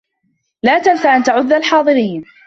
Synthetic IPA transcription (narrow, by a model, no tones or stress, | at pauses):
laːt̪anfaʔant̪aʕʊðːalħɑːðˤɨɾiːn